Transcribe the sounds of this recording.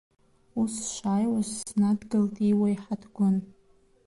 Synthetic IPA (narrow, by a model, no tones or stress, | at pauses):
usʃʷaːjwaʒʷsnadɡɨltʼiwajħadɡʷʊn